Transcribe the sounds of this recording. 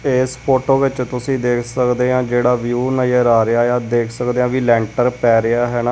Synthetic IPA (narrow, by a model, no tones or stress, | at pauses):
eːspoːʈoːʋɪt͡ʃt̪ʊsĩːd̪eːkʰsəkd̪eːãːd͡ʒeːɽaːʋjuːnaeːɾaːɾɪaːjaːd̪eːkʰsəkd̪eːɦãːʋiːlɛ̃ːɳʈəɾpɛːɾɪaːɦɛːnaː